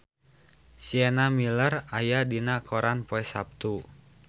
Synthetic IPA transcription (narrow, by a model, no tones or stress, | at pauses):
siɛnamilərajadinakʰɔɾanpɔɛsap̚t̪u